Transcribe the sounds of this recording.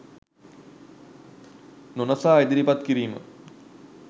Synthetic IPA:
nonasaːed̪iɾipat̪kiɾiːmə̰

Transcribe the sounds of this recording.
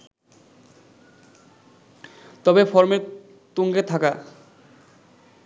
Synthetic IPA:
t̪ɔbefɔɾme | t̪uŋɡet̪ʰaka

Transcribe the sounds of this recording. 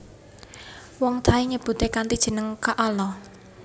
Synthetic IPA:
wɔŋt̪ʰaiɲəb̥ṳt̪ekant̪id̥ʒ̥ə̤nəŋkaʔɔlɔ

